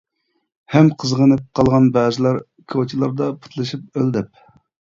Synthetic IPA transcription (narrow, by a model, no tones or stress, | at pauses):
hɛmqʰəzʁənɨp̚qʰɑlˠʁɑnbɛːzɪlˠɑɾ | kʰot͡ʃʰilˠɑɾd̪ɑpʰu̥t̪ʰlˠɨʃip̚øld̪ɛp̚